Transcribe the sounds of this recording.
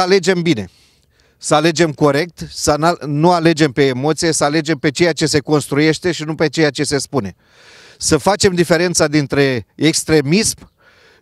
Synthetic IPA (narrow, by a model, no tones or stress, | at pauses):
ale̞d͡ʒembine̞̰ | səale̞d͡ʒe̞mko̞ɾe̞k̚t̪sənanuale̞d͡ʒe̞mpe̞ːmo̞t̪sije̞səale̞d͡ʒe̞mpe̞t͡ʃe̞jat͡ʃe̞se̞ko̞nst̪ɾuje̞ʃt̪e̞ʃinupe̞t͡ʃe̞jat͡ʃe̞se̞spune̞ | səfat͡ʃe̞md̪ife̞ɾe̞nt̪sad̪int̪ɾe̞ekst̪ɾe̞mism